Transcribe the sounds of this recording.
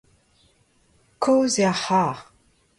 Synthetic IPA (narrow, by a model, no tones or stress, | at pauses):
kʰowzeaħaːʁ